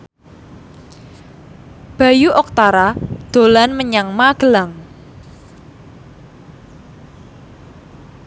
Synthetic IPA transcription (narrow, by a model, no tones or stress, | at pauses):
b̥a̤juʔɔk̚t̪aɾad̪̥o̤lanməɲaŋmaɡ̥ə̤laŋ